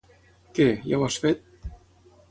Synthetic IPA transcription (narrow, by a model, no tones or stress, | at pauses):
keja̰wasfet̪̚